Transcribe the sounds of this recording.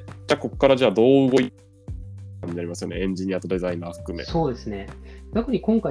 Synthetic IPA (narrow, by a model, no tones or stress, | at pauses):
d͡ʑaːko̞ko̥kːaɾaʑaːd̪o̞ːɯ̟ɡo̞i | aɲ̟ːinaɾimasɨjo̞ne̞ẽɲ̟d͡ʑiɲ̟iat̪o̞d̪e̞zaĩnaːɸɯ̥kɯ̟mḛsso̞ːd̪e̞sɨne̞d̪akɯ̟ɲ̟ikõŋka